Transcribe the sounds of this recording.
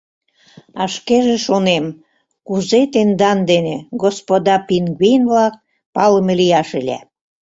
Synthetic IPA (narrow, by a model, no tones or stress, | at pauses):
ɑʃkeʒĕʃonem | kuzet̪end̪ɑnd̪eneɡospod̪ɑpinɡwijnβlɑk̚ | pɑlə̆melijɑʃelʲæ̰